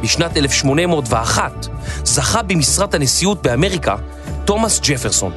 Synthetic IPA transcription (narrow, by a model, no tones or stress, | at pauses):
biʃnate̞lefʃmo̞nemo̞tveaχat | zaχabimisʁathanesiut̚beame̞ʁika̰ | to̞masd͡ʒefeʁso̞n